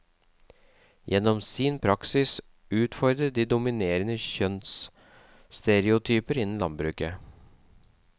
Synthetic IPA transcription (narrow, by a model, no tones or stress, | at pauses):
jɛnɔmsiːnpʰɾɑksɪs | ʉːt̪fɔɾd̪ɾəd̪iːd̪ʊmɪneːɾənəçœns | st̪eɾɛʊt̪ʰyːpəɾɪnn̩lɑ̰nbɾʉːkə